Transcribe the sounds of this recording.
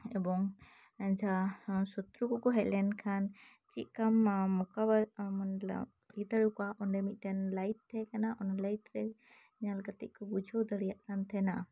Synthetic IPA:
ɛbɔŋ | naɲd͡ʒasɔt̪ɾukɔkɔɦɛʔlɛnkʰan | t͡ʃiʔ̪̚kamːɔkabaɾmanla̰ | id̪aɽukɔaʔɔnɖɛmit̪̚ˀʈɛnlajt̚t̪ʰɛkanaʔɔnlajtɾɛ | ɲalɡat̪iʔ̚ˀkɔbud͡ʒʱɔwd̪əɽijaʔkant̪ʰɛna

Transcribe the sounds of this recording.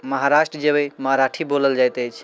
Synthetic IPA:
məɦaɾaʃʈɾəd͡ʒəbəjməɦaɾaʈʰiboləld͡ʒajt̪əjt͡ʃʰ

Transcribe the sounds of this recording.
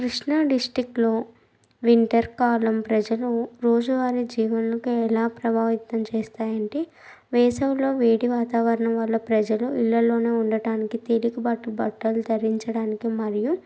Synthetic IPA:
kɾiʂɳaɖisʈɾiklo̞ː | ʋiɳʈɐɾkaːlɐmpɾɐd͡ʒɐluɾo̞ːd͡ʒuʋaːɾid͡ʒiːʋɐnlɐkuɛlaːpɾɐbʱaːʋit̪ːɐmt͡ʃɛːst̪aːjɐɳʈi | ʋɛːsɐwlo̞ːʋeːɽiʋaːt̪aːʋɐɾɐɳɐmʋɐlːɐpɾɐd͡ʒɐluilːɐlo̞ːne̞ːuɳɖɐɽaːnikit̪e̞likubɐʈːubɐʈːɐlud͡ʒ̪ɐɾiɲt͡ʃɐɽaːnikimɐɾiju

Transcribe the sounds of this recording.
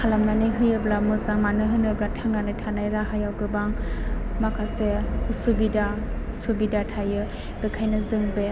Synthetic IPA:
kʰalamnanɯjɦɯjɯblamɯzaŋmanɯɦɯnɯblatʰaŋɡanɯtʰanajɾaɦajawɡɯbaŋmakʰaseusubidasubidatʰajɯ | bekʰajnɯzɯŋbe

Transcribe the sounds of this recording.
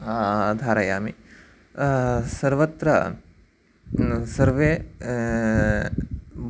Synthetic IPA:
d̪ʱaːɾɐjaːmi | sɐɾʋɐt̪ɾɐ̰ | sɐɾʋeː | b

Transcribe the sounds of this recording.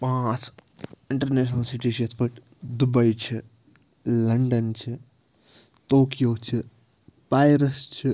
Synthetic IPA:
pãːt͡sɪɳʈɐɾneːʃnɐlsiʈiʃɐt̪ʰpɐʈ | d̪ubɐjt͡ʃʰi | lɐɳɖɐnt͡ʃʰi | t̪oːkijoːt͡ʃʰi | pajɾɐst͡ʃʰi

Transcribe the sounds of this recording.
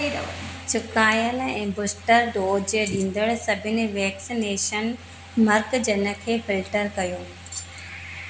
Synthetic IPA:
t͡ɕʰʊkaːjəlɛ̃ːbʊsʈəɾɖoːd͡ʑeɗĩːn̆d̪əɭsɐbʱɪnɪʋɛːksineːʃən | mɐɾɡd͡ʑɐnə̆kʰeːfɪlʈəɾkɐjoː

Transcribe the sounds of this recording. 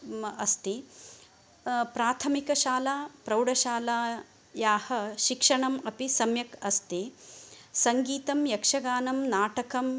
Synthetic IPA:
ɐst̪i | pɾaːt̪ʰɐmikɐʃaːlaːpɾɐwɖɐʃaːlaː | jaːhɐʃikʂɐɳɐmɐpisɐmjɐkɐst̪i | sɐŋɡiːt̪ɐmjɐkʂɐɡaːnɐmnaːʈɐkɐm

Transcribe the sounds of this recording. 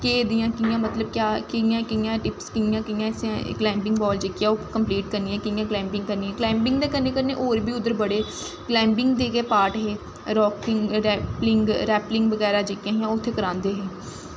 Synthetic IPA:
keːd̪ijãːkɪjãːmət̪ləb̚kjaːkɪjãːkɪjãːʈɪpskɪjãːkɪjãːɪsã̰ːklɛ̃ːmbɪ̃ŋɡbɔːld͡ʒekɪjãːoːkəmpliːʈkəɾnĩːãːkɪjãːklɛ̃ːmpɪ̃ŋɡkəɾniːɛ̃ːklɛ̃ːmbɪ̃ŋɡd̪eːkəneːkəɾneːʔoːɾbʱiːʊd̪əɾbəɽeː | klɛ̃ːmbɪ̃ŋɡd̪eːkeːpaːʈɦeː | ɾɔːkɪŋɾːplɪŋɡɾɛːplɪŋɡʋəɡɛːɾaːd͡ʒeːkjãːɦɪjãːʊt̪ʰːeːkəɾãːnd̪eːɦeː

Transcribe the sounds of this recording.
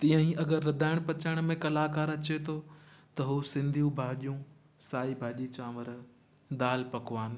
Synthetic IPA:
t̪ĩːə̃ɦĩɐɡəɾːɐd̪ʱaːɪɽ̃pɐt͡ɕaːɪɽ̃mẽkɐlaːkaːɾɐt͡ɕet̪ʰot̪ɐɦuːsɪ̃nd̪ʱijũbʱaːʄijũ | saːibʱaːʄit͡ɕaːməɾ | d̪aːlpɐkʋaːn̆

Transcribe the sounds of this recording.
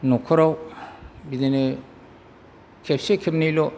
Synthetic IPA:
nɔkʰɔɾaw | bidene | kʰepsekʰepnejlɔ

